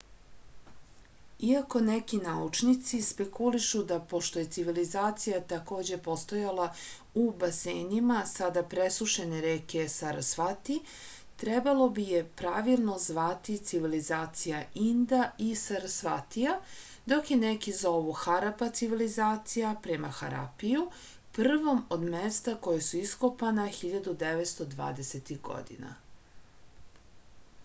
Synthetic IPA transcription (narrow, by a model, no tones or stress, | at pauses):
iako̞nekinaut͡ʃnit̪sispe̞kuliʃud̪apo̞ʃt̪oje̞t̪siʋilizaːt̪sijat̪ako̞ːd͡ʑe̞po̞st̪o̞jalˠa | ubaseːnimasad̪apɾesuʃeneɾeːke̞saɾasfat̪i | t̪ɾebalˠo̞bijepɾaʋilˠno̞zʋat̪it̪siʋilizaːt̪sijaind̪aisaɾasfat̪ija | d̪o̞kje̞nekizaoʋuxaɾapat̪siʋilizaːt̪sijapɾemaxa̰ɾa̰piju | pr̩ʋo̞mo̞d̪mest̪ako̞jesuiskopanaxiʎad̪ud̪eʋet̪st̪o̞d̪ʋa̰ːd̪eset̪iɣɡo̰d̪ḭna̰